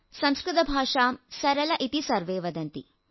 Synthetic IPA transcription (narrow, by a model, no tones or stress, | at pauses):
sɐmskɾɪt̪ɐbʱaːʂaːmsɐɾɐlɐʔit̪isɐɾʋeːʋɐd̪ɐnt̪ḭ